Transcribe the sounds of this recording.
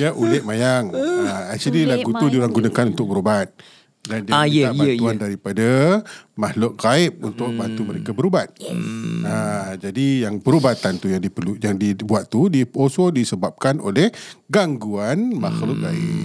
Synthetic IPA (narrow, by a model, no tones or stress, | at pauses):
jaʔulɛʔ̚majaŋaasililaɡut̪udiuɾaŋɡunakanunt̪ʊk̚bəɾubat̪̚ | dandibanuandaɾipadamaxlʊʔkaɪp̚unt̪ʊk̚bant̪uməɾekabəɾubat̪̚ | ad͡ʒadijaŋpəɾubat̪ant̪ujaŋdipəlujaŋdibuat̪ːudiposodisəbap̚kanʔo̰lɛhɡaŋɡuanmaxlʊʔɡa̰ɪʔ